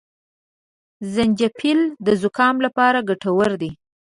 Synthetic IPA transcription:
zand͡ʒapʰild̪əzʊkɑmlapɑɾaɡaʈawəɾd̪i

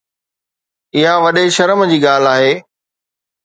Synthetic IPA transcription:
ɪɦaʋɐɗeʃɐɾəmd͡ʑiːɡaːl̤aːɦeː

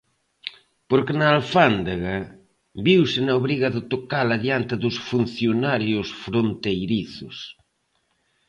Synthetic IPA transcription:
poɾkenaːlfand̪aɣa | βiwsɪnaoβɾiɣɐðɪt̪okalaðjant̪ɪðʊsfun̟θjonaɾjʊsfɾont̪ejɾiθʊs

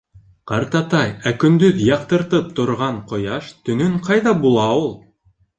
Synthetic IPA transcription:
qɑɾt̪ɑt̪ɑjækɵ̆nd̪ɵðjɑqt̪ɤ̆ɾt̪ɤp̚t̪ŏɾʁɑɴqŏjɑʃt̪ɵ̆nɵɴqɑjðɑbulˠɑulˠ

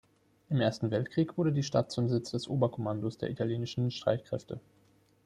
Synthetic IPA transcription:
ʔɪmʔeːɐstn̩vɛltkʁ̥iːkv̥ʊɐɾədiːʃtat̚t͡sʊmzɪt͡sd̥ɛsʔoːbɐkʰomandosd̥eːɐʔitʰaljeːnɪʃn̩ʃtʁ̥a̰ɪtkʁ̥ɛ̰ftʰə

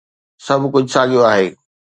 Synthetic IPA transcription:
sɐbʱkʊd͡ʑʱʊsaːɠijoaːɦeː

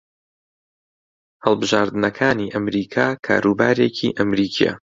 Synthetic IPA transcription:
hɐlˠbɨʒaːɾd̪ɨnɐkʰaːniʔɐmɾiːkʰaːkʰa̰ːɾubaːɾeːcʰḭʔɐmɾiːkʰijɛ̰

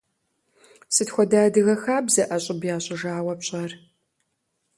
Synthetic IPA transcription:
sɨtxʷɔdaːdɨɣɐxaːbzɐʔɐɕʼɪbjaːɕʼɪʒaːwɐpɕʼɐr

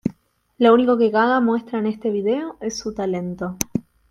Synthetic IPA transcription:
louniko̞ke̞ɣaɣamwe̞st̪ɾaenest̪e̞βiðe̞oe̞sːut̪ale̞nt̪o̞

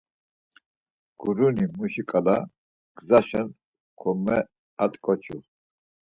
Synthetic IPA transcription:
ɡ̥uɾunimuʃikʼala | ɡ̥zaʃɛn | kʰɔmɛ | at̪ʼkʼɔt͡ʃʰṵ

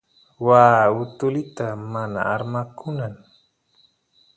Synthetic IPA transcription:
waːʊt̪ʊlɪt̪amana̰aɾmakʊnan

